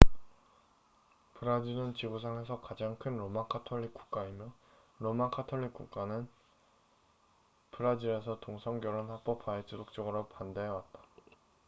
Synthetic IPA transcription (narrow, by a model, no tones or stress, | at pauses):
pɯɾad͡ʑiɾɯnt͡ɕiɡos̬ʰaŋe̞sʰʌkad͡ʑaŋkʰɯnɾomakʰatʰoʎːik͈u̥k͈aimjʌ | ɾomakʰatʰoʎːik͈̚uk͈anɯn | pɯɾad͡ʑiɾe̞sʰʌtoŋsʰʌŋɡjʌɾonhap͈ʌpʰait͡ɕ͈ʰidok̚t͡ɕ͈ʌɡɯɾopandeɦwat̚t͈ḁ